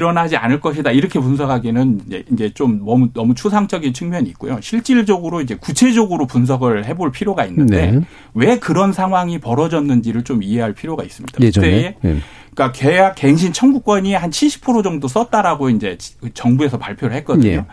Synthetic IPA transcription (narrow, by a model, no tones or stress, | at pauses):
iɾʌnɦad͡ʑia̰nɯɭk͈ʌɕʰidaiɾʌkʰe̞puns̬ʰʌɡaɡinɯnd͡ʑeind͡ʑe̞t͡ɕ͈omnʌmunʌmut͡ɕʰus̬ʰaŋt͡ɕ͈ʌɡint͡ɕʰuŋmjʌɲiik͈o̰joɕʰiɭt͡ɕ͈iɭd͡ʑʌɡɯɾoid͡ʑe̞kut͡ɕʰe̞d͡ʑʌɡɯɾopuns̬ʰʌɡɯɭhe̞boɭpʰiɾjoɡainːɯnde̞̰ | we̞kɯɾʌnsʰaŋɦwaŋipʌɾʌd͡ʑʌnːɯnd͡ʑiɾɯɭt͡ɕomiɦe̞ɦaɭpʰiɾjoɡa̰is͈ɯmɲid̥aɯt͈ḛ | k͈akejak͈ːe̞ŋɕʰint͡ɕʰʌnɡuk͈̚wʌɲihant͡ɕʰiɭɕ͈ʰi̥pʰɯɾod͡ʑʌŋdos͈ʌt̚t͈aɾaɡoind͡ʑe̞t͡ɕʌŋbue̞s̬ʰʌpaɭpʰjoɾɯɭɦe̞t̚k͈ʌdɲːo̰